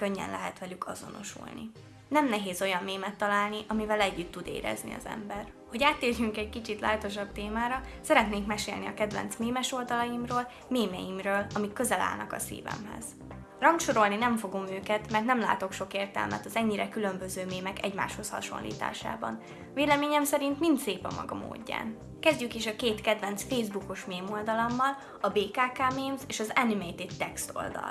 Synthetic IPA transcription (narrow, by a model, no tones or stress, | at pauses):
køɲːɛ̰nlɛɦɛt̪ʋɒlykʰɒzo̞̰no̞̰ʃṵlnḭ | nɛmnɛɦeːzo̞jɒmmeːmɛt̪ːɒlaːlniʔɒmivɛlɛɟːyt̪ːud̪ḛːɾɛ̰znḭɒ̰zɛ̰mbɛr | ho̞ɟaːt̪ːeːrjyŋkɛckit͡ʃit̪laːt̪o̞ʃ̬ɒb̚t̪eːmaːɾɒsɛɾɛt̪neːŋkmɛʃḛːlniɒkɛd̪vɛ̰nt̪smeːmɛʃo̞ld̪ɒlɒjimroːl | meːmɛ̰jimrøːlɒmikːøzɛla̰ːlnɒkɒsḭːvɛ̰mɦɛ̰z̥ | rɒŋʃo̞ɾo̞lninɛɱfo̞ɡomøːkɛt̪mɛrt̪nɛmla̰ːt̪o̞kʃo̞keːrt̪ɛ̰lmɛ̰t̪ɒzɛɲːiɾɛkylø̞mbø̞zøːmeːmɛkɛɟma̰ːʃho̞shɒ̰ʃo̞̰nlʔḭːt̪a̰ːʃa̰ːbɒ̰n | veːlɛmeːɲɛmsɛɾint̪mint̪seːpɒmːɒ̰ɡɒmo̰ːɟːa̰ːn | kɛzɟykiʃɒkeːt̪kɛd̪vɛnt̪sfeːjzbukoʃmeːmo̞ld̪ɒlɒmːɒl | ɒbeːkaːkaːmeːmzeːʃɒzɛnimejt̪it̪ːɛkst̪o̞̰ld̪ɒ̰l